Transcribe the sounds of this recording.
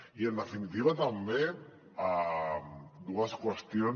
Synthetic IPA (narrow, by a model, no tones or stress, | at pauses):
iend̪efinit̪iβ̞at̪ambe | a | d̪uaskwest̪jon